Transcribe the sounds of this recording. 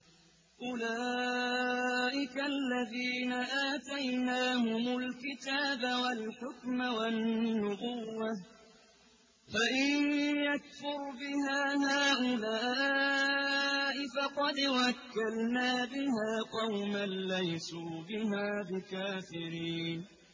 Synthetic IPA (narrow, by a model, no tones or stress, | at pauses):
ʔʊlaː | ʔɪkalːaðiːnaʔaːt̪ajnaːhʊmʊlkɪt̪aːbawalħʊkmawanːʊbʊwːa | faʔɪnjakfʊɾbɪhaːɦaːʔʊlaː | ʔɪfɑqɑd̪wakːalnaːbɪhaːqɑwmanlajsuːbɪɦaːbɪkaːfɪɾiːn